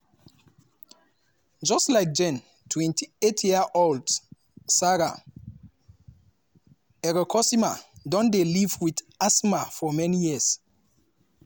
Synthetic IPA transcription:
d͡ʒɔstlajk̚d͡ʒɛ̃n | tʰwɛ̃ntʰietʰjiaʔold | saɹa | ɛɹɔkʰɔsimadɔ̃ndelivwið | asmafɔmɛnijis

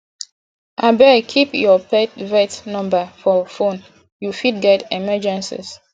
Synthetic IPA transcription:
ʔabɛkʰipjɔpɛtvɛtnɔ̃mbafɔfõn | jufid̚ɡɛtɛmɛd͡ʒãnsḭs

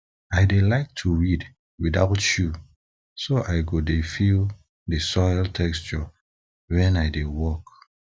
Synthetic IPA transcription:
aɪdelaɪk̚tʰuɹid | widaʊtju | soʔaɪɡodefil | dəsɔjltʰɛkst͡ʃə | wɛ̃naɪdewɔk

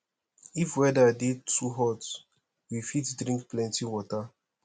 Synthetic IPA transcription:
ifwɛdədetʰːuɦɔt | wifitdɹĩŋk̚plɛ̃ntiwɔta

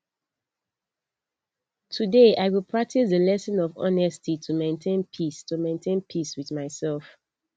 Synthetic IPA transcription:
tʰudeʔaɪwilˠpʰɹak̚tʰisðəlɛsɔ̃nɔvɔ̰nɛstʰitʰumẽntʰẽnpʰistumẽɪ̃ntʰẽnpʰiswiðmaɪsɛlˠf

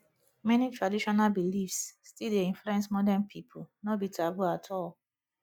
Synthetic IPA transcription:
mɛnitʰɹadiʃɔnabilifsːtildeĩnfluɛ̃nsmɔdanpʰipʰunɔbitʰɹabulatʰɔl

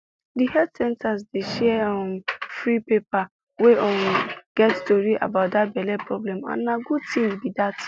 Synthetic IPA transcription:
dihɛdsɛ̃ntʰas̬deʃɛɔ̃mfɹipepa | weʔɔ̃nɡ̥ɛtstoɹiʔa̰baʊt̚dat̚bɛlɛpʰɹɔblɛ̃mã̰nːãɡud̚tʰĩwibidat

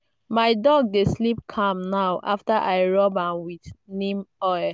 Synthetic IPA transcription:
maɪdɔɡ̚deslip̚kʰãmnawʔa̰ftaʔaɪɹɔbãnwidnĩmɔ

